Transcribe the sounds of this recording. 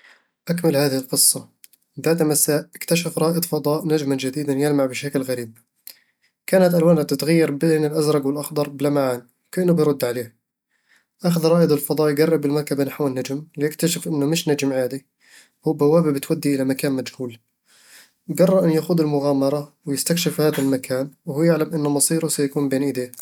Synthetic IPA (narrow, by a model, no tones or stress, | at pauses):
ʔakmɪlhaːðɪɪlqɨsˤːɑ | baʕd̪amasaːʔʔɪkt̪aʃafɾˤɑːʔɨd̪ˤfɑd̪ˤɑːʔnad͡ʒmand͡ʒad̪iːd̪anjɪlmaʕbɪʃakɪlɣaɾiːb̚ | kaːnat̪ʔalwaːnat̪ɪt̪ɣajːɑɾˤbeːnɪlʔazɾˤɑɡwɪlʔɑxd̪ˤɑɾˤbɪlamaʕaːn | kaʔɪnːʊbɪjɾˤʊd̪ːʕaleː | ʔaxaðɾˤɑːʔɨd̪ˤɪlfɑd̪ˤɑːʔjɡarˤːɪbɪlmɑɾˤkabanaħwɪnːad͡ʒmlɪjɪkt̪aʃɪfʔɪnːʊmɪʃnad͡ʒmʕaːd̪i | huːbawaːbibɪt̪wad̪ːiʔɪlamakaːnmad͡ʒhuːl | ɡɑrˤːɑʔɪnːjaxuːd̪ɪlmʊɣaːmɑɾˤɑwɪjɪst̪akʃɪfhaːðalmakʰaːnwɪhuːjɪʕlamʔɪnːʊmɑsˤiːɾʊsajakuːmbeːnʔɪd̪eː